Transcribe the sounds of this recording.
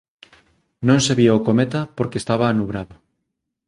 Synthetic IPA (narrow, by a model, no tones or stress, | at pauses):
nõŋseβiaokomet̪ɐpoɾkeːst̪aβaːnuβɾaðʊ